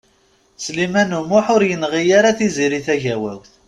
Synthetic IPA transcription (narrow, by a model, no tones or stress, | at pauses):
slimænumʊħʊɾjənʁijaɾaθiziɾiθæʝæwæ̰wθ